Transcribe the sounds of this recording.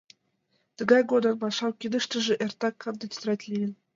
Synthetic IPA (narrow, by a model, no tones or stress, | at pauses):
t̪ə̆ɡɑjɡod̪ɤ̆npɑʃɑwkʲid̪ə̆ʃt̪ə̆ʒɘ̆ʔert̪ɑkːɤnd̪ə̆t̪t̪ɾɑtʲlʲijɘ̆n